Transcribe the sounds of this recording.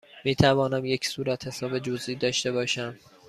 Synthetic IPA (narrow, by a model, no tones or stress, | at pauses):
miːt̪ʰævɒːnæmje̞cʰsuːɾæt̪he̞sɒːbe̞d͡ʒoziːd̪ɒːʃt̪e̞bɒːʃæm